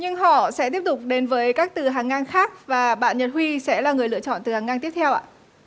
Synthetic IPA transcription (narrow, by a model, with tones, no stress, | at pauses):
ɲɨ˧ŋɦɔ̰˧˨sɛ̰˧˥t̪i˦˥əp̚t̪ʊ˨˩k͡p̚ɗe˨˦nvəː˨˦jkaː˦˥k̚t̪ɨ˨˩ɦaː˨˩ŋːaː˧nxaː˦˥k̚vaː˨˩ɓa̰ː˧˨nɲə˨˩t̚hwi˧sɛ̰˧˥laː˨˩ŋɨ˨˩əjlɨ̰˧˨ət͡ɕɔ̰˧˨nt̪ɨ˨˩haː˨˩ŋːaː˧nt̪i˦˥əp̚t̪ʰɛ˧wʔa̰ː˧˨